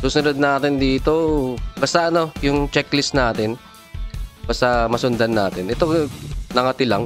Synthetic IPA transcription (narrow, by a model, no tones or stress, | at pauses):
suːsʊnod̪̚naːt̪ɪnd̪iːt̪o̞bast̪ɐʔɐno̞jʊŋt͡ʃɛklɪsnaːt̪ɪn | bast̪ɐmɐsʊnd̪ɐnːaːt̪ɪnʔɛt̪o̞nɐŋɐt̪ɪlaŋ